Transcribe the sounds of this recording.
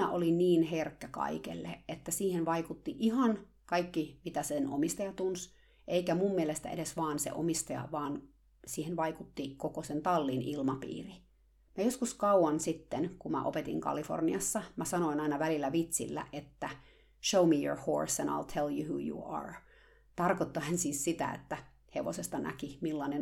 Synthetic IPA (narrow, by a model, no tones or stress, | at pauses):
næ̰ʔolinniːnɦerkːækɑ̰ikḛlːeet̪ːæsiːhenʋɑikut̪ːiʔiɦɑn | kɑikːimit̪æseno̰mist̪ɑjɑt̪uns | ʔeikæmumːielest̪æ̰ḛdesʋɑːnsḛʔo̰mist̪ɑjɑ̰ʋɑːn | siːhenʋɑikut̪ːikokosent̪ɑlːinʔilmɑpḭːri | mæjoskuskɑuwɑnsit̪ːenkumæ̰ʔo̰pet̪ḭŋkɑ̰lifo̰rniɑsːɑmæsɑnoinɑinɑʋælilːæʋit̪sḭlːæ̰ʔet̪ːæ | ʃoumijo̰ɹho̰ɹsæ̃nɑ̰ɪlt̪ʰeljuhṵːjṵɑ̰ɹ | t̪ɑrkot̪ːoænsiːssit̪æ̰ḛt̪ːæ | heʋo̰sest̪ɑnʔæ̰kimilːɑnen